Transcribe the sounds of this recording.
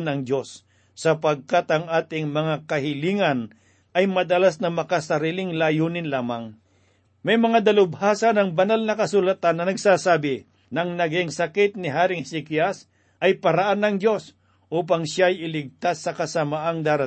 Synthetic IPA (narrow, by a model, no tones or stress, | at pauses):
nɐŋd̪o̞sː | ɐpɐɡ̚kat̪ɐŋʔaːt̪ɪŋmɐŋakɐhɪliːŋɐn | ɐjmɐd̪ɐlasnɐmɐkasɐɾiːlɪŋlaːjuːnɪnlaːmɐŋ | mɐjmɐŋad̪ɐlʊbhaːsɐnɐŋbɐnalnɐkɐsʊlat̪anːɐnɐɡsaːsaːbɪ | nɐŋnɐɡɪŋsɐkɪt̪̚nɪɦaːɾɪŋsɪkias | ʔɐjpɐɾɐʔanːɐŋdo̞s | ʔuːp̬ɐŋʃjaɐjɪlɪɡ̚t̪asːɐkɐsɐmaʔaŋd̪aːɾɐ